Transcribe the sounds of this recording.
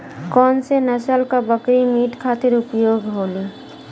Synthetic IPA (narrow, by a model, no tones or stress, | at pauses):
kɔnsenɛt͡ʃnalkabəkɾimiʈkʰat̪eɾupjoɡʱɦoli